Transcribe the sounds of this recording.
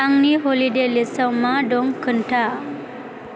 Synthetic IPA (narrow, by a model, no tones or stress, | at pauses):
ãŋɡniɦoliɖelisəwmaɖoŋɡkʰːəɳʈʰa